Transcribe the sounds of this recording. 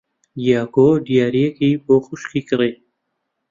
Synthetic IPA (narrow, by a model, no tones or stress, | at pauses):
jaːɡoɖjaːɾijekipoxʊʃkikəɾe